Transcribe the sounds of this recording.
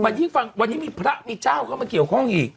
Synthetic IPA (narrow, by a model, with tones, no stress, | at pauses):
ma˨ɲi˦ŋ˦fa˨nwa˨ɲi˦mi˦pɨ˨ɾa˦ʔmi˨˧t͡ʃa˦u˨ka˦ma˨ke˨hɔ˦ŋi˨